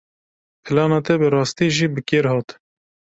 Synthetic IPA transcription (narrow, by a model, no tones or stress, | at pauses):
pʰɨlɑːnɑːt̪ɛbɨɾɑːst̪iːʒiːbɨkeːɾhɑːt̪